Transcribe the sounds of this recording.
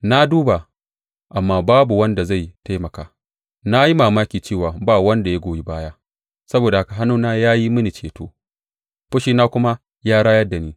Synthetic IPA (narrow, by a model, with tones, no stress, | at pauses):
na˦duː˦ba˨ | ʔa˨mːaː˦baː˦bu˨wɐ˦nda˨za˦˨jta˦jmɐ˨kaː˨ | na˦ji˦maː˨maː˦kʲiː˨t͡ʃeː˦˨waː˨baː˦˨wɐ˦nda˨ja˦ɡʷoː˨ji˦baː˦jaː˦ | sɐ˦boː˨da˨ha˦ka˨ɦa˦nuː˦naː˦jaː˦ji˦mɐ˦ni˨t͡ʃeː˨to̰ː˦ | ɸɐ˦ʃiː˦naː˦kʷʊ˦ma˦ | jaː˦ɽaː˦jɐ˦da˨niː˦